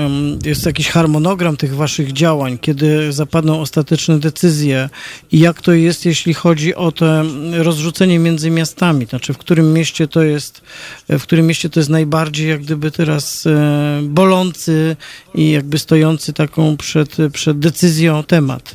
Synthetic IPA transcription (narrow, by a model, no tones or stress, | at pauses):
jɛst̪jakʲiɕxaɾmɔnɔɡɾamt̪ɘɣvaʂɘɣd͡ʑawaɲkʲɛd̪ɘzapad̪nɔ̃w̃ɔst̪at̪ɛt͡ʂnɛd̪ɛt̪sɘzʲjɛijakt̪ɔjɛst̪jɛɕlʲixɔd͡ʑiʔɔt̪ɛɾɔzʐut̪sɛɲɛmʲjɛnd̪zɘmʲjast̪amʲit̪nat͡ʂɘfkt̪uɾɘmːjɛɕt͡ɕɛt̪ɔjɛst̪fkt̪uɾɘmʲːjeɕt͡ɕɛt̪ɔjɛs̬t̪najbaɾd͡ʑejjaɡ̚d̪ɘbɘt̪ɛɾas | bɔlɔnt̪sɘijaɡ̚bɘst̪ɔjɔnt̪sɘt̪akɔ̃w̃pʂɛt̪pʂɛd̪̚ːɛt̪sɘzʲjɔ̃t̪ɛma̰t̪